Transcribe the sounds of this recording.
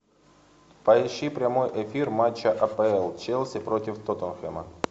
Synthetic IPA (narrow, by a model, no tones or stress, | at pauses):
pɐɪɕːipɾʲɐmo̞jʔefʲirmat͡ɕːəʔɐpəɛlˠt͡ɕelˠsʲɪpɾo̞tʲɪft̪ot̪ənxɛmə̰